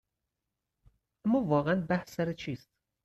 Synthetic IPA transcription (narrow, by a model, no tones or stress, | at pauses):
ʔæmːɒːvɒːɣeænbæhsæɾet͡ʃʰiːst̪